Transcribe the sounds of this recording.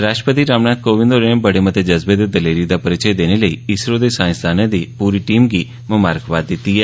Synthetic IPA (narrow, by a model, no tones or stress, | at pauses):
ɾaːʃʈɾəpət̪iɾaːmnat̪̚koʋɪ̃nd̪oɾebəɽemət̪ʰed͡ʒəzbed̪ed̪əleɾid̪apəɾɪt͡ʃəjd̪eneləiɪsɾod̪esãːj̃sd̪aned̪ipuɾiʈimɡi | məmaːɾkʰʋad̪it̪iɦɛ